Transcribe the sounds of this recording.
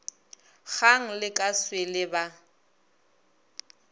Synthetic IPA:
ɣaŋ̩lɪkʼaswɪlɪba

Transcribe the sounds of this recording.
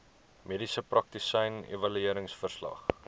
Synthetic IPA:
medisəprɐk̚t̪isəjnḛvɐlyiəɾəŋsfərslɐ̰χ

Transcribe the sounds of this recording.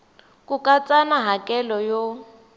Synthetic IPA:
kʼukʼat͡sʼanaɦakʼɛlɔjo

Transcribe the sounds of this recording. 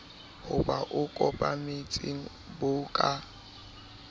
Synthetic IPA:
hʊbaʔʊkʼɔpʼamɪt͡sʼɪŋ̩ | bʊːkʼa

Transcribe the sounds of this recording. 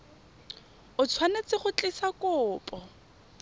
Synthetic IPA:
ʊt͡sʰwanat͡sɪχʊt͡ɬʼɪsakʊːpʼɔ

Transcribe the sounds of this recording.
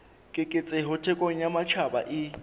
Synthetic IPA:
kʼɪkʼɪt͡sʼɪɦʊtʰɛkʼoŋ̩jamat͡ʃʰaba̰ʔɪ

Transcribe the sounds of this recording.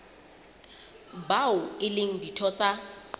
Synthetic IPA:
baʊɪleŋ̩ditʰɔt͡sʼa

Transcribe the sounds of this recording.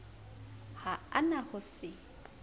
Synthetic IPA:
haanahʊsɪ

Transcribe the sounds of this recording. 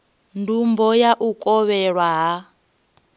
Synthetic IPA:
ndumbɔjaʔukʼɔβɛɺwaɦa

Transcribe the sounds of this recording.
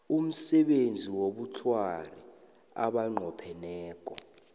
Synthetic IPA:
um̩sɛɓend͡zʱiwoɓutʰwari | a̰ɓaŋ͡ǃʱɔpʰɛnɛːk̬ʼɔ

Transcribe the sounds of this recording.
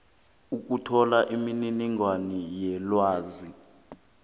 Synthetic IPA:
uk̬utʰɔlaʔimininiŋwanijɛlwaːzi

